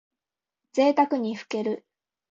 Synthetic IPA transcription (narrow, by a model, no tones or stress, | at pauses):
d͡ze̞ːt̪akɯ̟ɲ̟iɸɯ̟̥ke̞ɾɯ̟